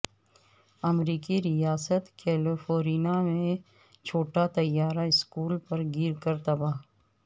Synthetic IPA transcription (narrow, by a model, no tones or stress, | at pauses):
ɐmɾiːkiɾijaːsət̪keːlofoːɾiːnamẽ | t͡ʃʰoːʈat̪ɐjːaːɾaɪskuːlpɐɾɡiːɾkɐɾt̪ɐbaːɦ